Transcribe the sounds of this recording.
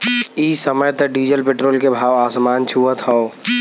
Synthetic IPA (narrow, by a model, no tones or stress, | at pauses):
iːsəməjt̪əɖiːd͡ʒəlpeːʈɾoːlkebʱaːʋaːsmaːnt͡ʃʰuːət̪ɦɔo